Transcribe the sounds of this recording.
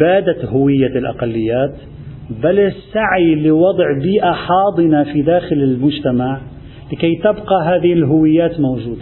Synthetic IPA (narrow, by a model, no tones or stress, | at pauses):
baːd̪ahʊwɪjːalʔa̰qɑlːɪjːaːt̪ | balɪsːaʕilɪwɑd̪ˤʕbiːʔaħɑːd̪ˤɨnafid̪aːxɪlɪlmʊd͡ʒt̪amaʕ | lɪkajt̪abqɑɦaːðɪhɪlɦʊwɪjːaːt̪mowʒuːd̪a